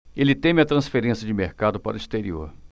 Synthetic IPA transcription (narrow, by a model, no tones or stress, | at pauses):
elɪt̪ẽmɪɐt̪ɾɐ̃sfeɾẽsjɐd͡ʒɪmeɾkad̪ʊpa̰ɾʊist̪eɾioɾ